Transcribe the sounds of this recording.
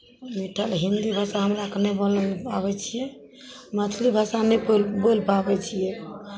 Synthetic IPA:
miʈʰəlɦind̪ibʱasaɦəmɾaknɛbolpaβɛt͡ʃʰijɛ | mət̪ʰlibʱasanɛpolbolpabɛt͡ʃʰijɛ

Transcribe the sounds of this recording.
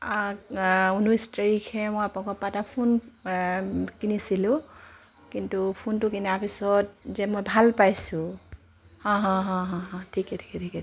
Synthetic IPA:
akunustɹikʰɛmɔjapnɔ̃kɔpatapʰun | kinisilʊ̃ | kintupʰuntukiniapʰisɔt̚zɛmɔjbʱalpajsʊ̃ | hɔ̃ɦɔ̃ɦɔ̃ɦɔ̃ɦɔ̃tʰikɛtʰi̥kɛtʰikɛ

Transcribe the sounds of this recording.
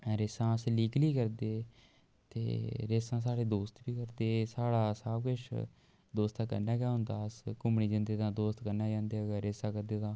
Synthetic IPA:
ɾeːsãːəsliːkliːkəɾd̪eː | t̪ḛːɾeːsãːs̬aːɽeːd̪oːst̪biːkəɾd̪eːsaːɽaːsaːbkʊt͡ʃʰ | d̪oːst̪ãːkə̰ɾnaːɡjaːɦʊ̃nd̪aːəskʊmɳiːd͡ʒə̃ːnd̪eːt̪ãːd̪oːst̪kəɾnaːd͡ʒãːnd̪eːəɡaɾeːsãːkəɾd̪eːt̪ãː

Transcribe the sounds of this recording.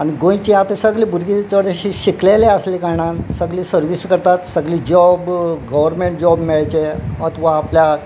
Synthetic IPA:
aniɡõj̃t͡ɕiat̪esəɡlibʱuɾɡit͡səɾeiɕikleleəslikaɽãnsəɡliːsəɾʋiskəɾt̪at̪səɡliːd͡ʑɔbɡəʋəɾmeɳʈ̚d͡ʑɔbmɛɭajt͡ɕeət̪ʰʋaːplja

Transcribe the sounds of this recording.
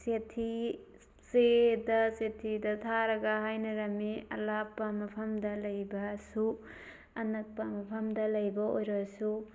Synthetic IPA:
setʰi | sedɐsetʰidɐtʰaɾɐɡɐɦajnɐɾɐmiɐ̰lapːɐmɐpʰɐmdɐlɐjbɐsu | ɐnɐk̚pɐmɐpʰɐmdɐlɐjbɐojɾɐsu

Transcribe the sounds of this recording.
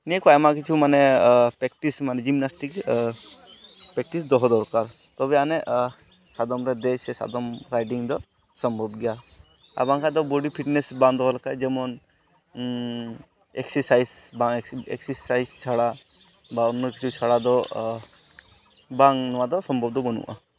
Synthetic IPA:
niekajmak̬it͡ʃʰumanepɾɛkʈismanɛd͡ʒimnasʈik | pɾɛk̚ʈisd̪ɔɦɔd̪ɔɾkaɾ | t̪ɔbɛaneʔ | sad̪ɔmɾed̪esɛsa̰d̪ɔmɾajɖiŋd̪ɔ | sɔmbʱɔbɡja | a̰baŋkad̪ɔbɔɖipʰiʈnesbãnd̪ɔɦɔlkajd͡ʒɛmɔn | eksɛɾsajzbaŋḛkseɾsajzt͡ʃʰaɽa | baɔnːɔkit͡ʃʰut͡ʃʰaɽad̪ɔ | baŋnɔwad̪ɔsɔmbʱɔb̚d̪ɔbɔnṵʔa̰

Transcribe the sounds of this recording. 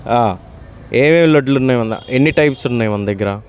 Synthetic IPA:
aː | eːmeːmloɖlnːɐjmɐnd̪ɐ̰ʔenːiʈɐjpsunːɐjmɐnd̪ɐɡːɐɾa

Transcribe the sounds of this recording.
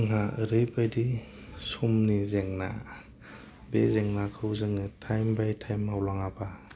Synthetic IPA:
ŋɦaɯɾɯjbajdi | sumnizeŋna̰ | bezeŋnakʰɯwzɯŋɯtʰajmbajtʰajmawlaŋaba

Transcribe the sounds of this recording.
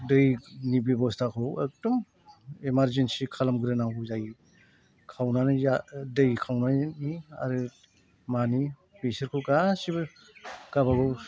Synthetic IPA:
dɯjnibibɔstakʰowek̚dɔm | emaɾzensikʰalamɡɯɾɯnawzaj | kʰawnanijadɯjkʰawnania̰ɾɯ | mani | besɯɾkʰɯwɡasibɯ | ɡ̥abaɡɔw

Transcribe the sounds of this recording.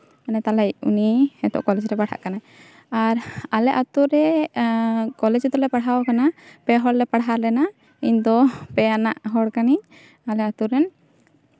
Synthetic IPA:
anɛt̪alɛjṵniɛtɔ̰ʔkɔlɛd͡ʒɾɛbaɽʰa̰ʔkana | aɾalɛʔat̪uɾɾɛ | kɔlɛd͡ʒd̪ɔlɛpaɽɦawkanapɛɦɔɽlɛpaɽɦaɾlɛna | iɲd̪ɔpɛjana̰ʔɦɔɽkaniɲ | alɛat̪uɾɛn

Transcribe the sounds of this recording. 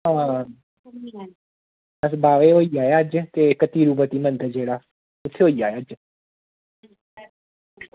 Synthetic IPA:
ɦããː | əs̬baːʋeːɦoːiaːjaːd͡ʒt̪eːkət̪iːɾuːbət̪iːmə̃nd̪ʱəd͡ʒeːɽaː | ʊt̪ʰːeɦoːiaːjad͡ʒ

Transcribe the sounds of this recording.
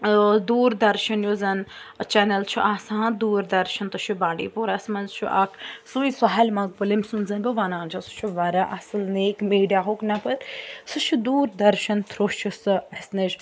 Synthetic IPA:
d̪uːɾd̪ɐɾʃɐnjoːzɐnt͡ʃɛːnɐlt͡ʃʰuʔaːsãːd̪uːɾd̪ɐɾʃɐnt̪ut͡ʃʰubaːɖḭːpuːɾɐsmɐnzt͡ʃʰuʔa̰kʰsuĩsɐɦalʲmãːɡ̚pɐlemsunzɐnbʲoʋaːnaːnt͡ʃʰɐsu̥t͡ʃʰuʋɐɾaʔɐsɨlneːkmiːɖijaːɦoknɐpɐɾsɨt͡ʃʰud̪uːɾd̪ɐɾʃɐnt̪ʰɾoʃʰusɨɐsneʃ

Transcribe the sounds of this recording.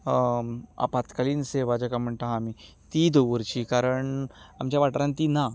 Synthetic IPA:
a̰pat̪kaliːnseʋad͡ʑakam̤əɳʈ̪aami | t̪id̪oʋəɾt͡ɕiːkaɾəɳamt͡ɕjaʋaʈɾãnt̪ina

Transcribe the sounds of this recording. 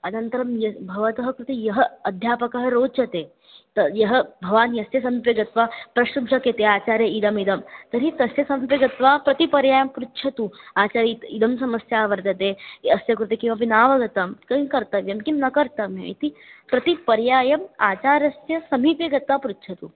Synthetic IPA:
ɐnɐnt̪ɐɾɐmjɐbʱɐʋɐt̪ɐɦɐkɾut̪ijɐɦɐɐd̪ʱjaːpɐkɐɦɐɾoːt͡ʃɐt̪eː | t̪ɐjɐɦɐbʱɐʋaːnjɐsjɐsɐmiːpjeɡɐt̪ʋaːpɾɐʃubd͡ʒɐket̪eaːt͡ʃaːɾjɐid̪ɐmid̪ɐmt̪ɐɾɦit̪ɐsjɐsɐmiːpjɐɡɐt̪ʋaːpɾɐt̪ipɐɾjaːjɐmpɾut̪ːʃʰɐt̪uaːt͡ʃaːɾit̪id̪ɐmsɐmɐsjaːʋɐɾd̪ɐt̪eːɐsjɐkɾut̪ikĩʋɐpinaːʋɐɡɐt̪ɐmkɐɦĩkɐɾt̪ɐʋjɐmkimnɐkɐɾt̪ɐʋɐ̰jt̪ipɾɐt̪ipɐɾjaːjɐmaːt͡ʃaːɾɐsjɐsɐmiːpjeɡɐt̪ʋaːpɾut̪ːʃʰɐt̪u

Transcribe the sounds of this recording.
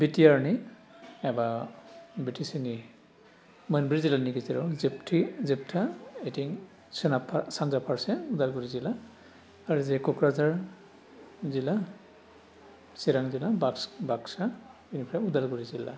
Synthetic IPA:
bitijaɹni | ɛba | bitʰisini | mənbɹizilanikiziɾɔziptʰizip̚tʰaetiŋ | sɛnapʰasanzapʰaɹsɛudalkɔɹizilaː | ɹuzɛkɔkɹazaɹ | zila | siɾaŋzilabaksbaksa | inipʰɾaudalkɔɹizila̰

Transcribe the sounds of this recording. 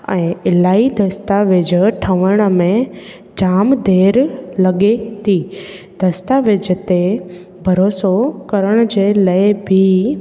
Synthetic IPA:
ɛ̰̃ɪlaːid̪ʱəst̪aʋed͡ʒəʈʰəʋəɽ̃mẽ | d͡ʒaːmd̪ʱeːɾləɠet̪i | d̪̥ʱəst̪aʋed͡ʒət̪e | bʱəɾoːsokəɾəɽ̃d͡ʑeləebʱi

